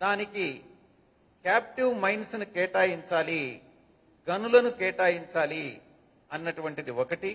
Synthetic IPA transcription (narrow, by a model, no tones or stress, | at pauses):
d̪aːniki | kaːp̚ʈiʋmɐjnsnukɛːʈaːjiɲt͡ʃaːli | ɡɐnulɐnukɛːʈaːjiɲt͡ʃaːli | ɐnːɐʈuʋɐɳʈid̪iɔkɐʈi